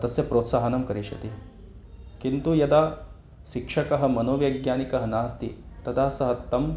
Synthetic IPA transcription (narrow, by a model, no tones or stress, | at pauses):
t̪ɐsjɐpɾoːt̪saːɦɐnɐmkɐɾiʃɐ̰t̪i | kint̪ujɐd̪aː | ʃikʂɐkɐɦɐ̆mɐnoːʋɐjɡjaːnikɐɦɐnaːst̪ḭt̪ɐd̪aːsɐɦɐt̪ɐm